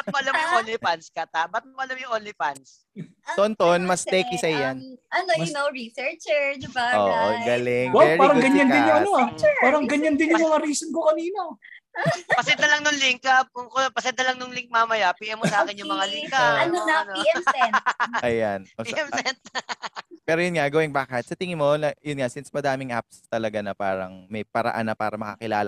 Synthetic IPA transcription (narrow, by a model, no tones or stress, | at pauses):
bɐt̪moʔɐlamjʊŋʔolɪpanskɐt̪abɐt̪̚oʔɐlamjʊŋʔolɪpans | ont̪onmɐst̪ɛːkɪsɐjanʔɐnoʊnowɹisɛɹt͡ʃɛɹd̪ɪbaʔo̰ːʔo̰ɡɐlɪŋwaɛpaːɾɐŋɡɐɲːɐnd̪ɪjʊŋɐoɛaːɾɐŋɡɐɲand̪ɪnjmʊmŋɐɾiːsonkokɐniːno | pɐsɛd̪ɐlɐŋnʊŋlɪŋkɐoopɐsɛd̪ɐlɐŋnʊŋlɪŋk̚maːmɐjapiːʔɛmːosɐʔaːkɪnjʊmɐŋalɪŋkɐɐnonɐnoɛ | ʔɐjanoiːɛmsɛt̪ | pɛːɾojʊnŋaɡɐwɪŋbaːkɛt̪̚sɐt̪ɪŋɪnmonɐjʊnŋasɪnsmɐd̪aːmɪŋʔa̰p̚st̪ɐlɐɡanɐpaːɾɐ̰ŋmɐjpɐɾɐ̰ʔa̰nːɐpa̰ːɾɐmɐkɐ̰kɪla̰ːlɐ